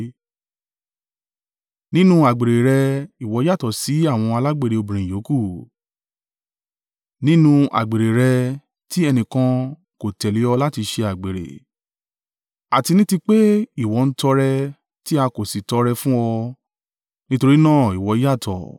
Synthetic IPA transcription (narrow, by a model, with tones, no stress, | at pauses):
nĩ˦nũ˦a˨ɡ͡be˨ɾe˨ɾɛ˧i˨wɔ˨˧˦i˦a˦˨tɔ˨si˨˦a˦˨w̃ɔ̃˧a˧la˦ɡ͡be˦˨ɾe˨o˧bĩ˨ɾ̃ĩ˨jo˨˦ku˦˨ | nĩ˦nũ˧a̰˨ɡ͡be˨ɾe˨ɾɛ˧ | ti˦ɛ˧nĩ˨kã˧ | ko˨tɛ˨le˨˦ɔ˧la˦ti˧ʃe˧a˨ɡ͡be˨ɾḛ˨ | a˨ti˧nĩ˦ti˧k͡pe˦i˦˨wɔ˨˦˧n̩˦tɔ˧ɾɛ˧ | ti˦a˧ko˨si˨tɔ˧ɾɛ˧fũ˦ɔ˧ | nĩ˦to˧ɾi˦nãː˦˨i˨wɔ˨˧˦a˦˨tʰɔ̰˨